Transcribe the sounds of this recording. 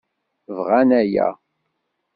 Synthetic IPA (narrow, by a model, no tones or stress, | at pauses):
vʁænæjæ̰